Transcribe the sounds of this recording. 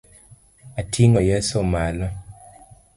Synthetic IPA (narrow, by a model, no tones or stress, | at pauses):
atʰiŋɔjɛsomalɔ